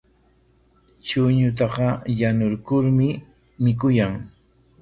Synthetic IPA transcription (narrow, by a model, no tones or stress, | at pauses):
t͡ʃʊɲʊt̪̬ɑqɑjanʊɾkʊɾmɪ | mɪk̬ʊjaŋ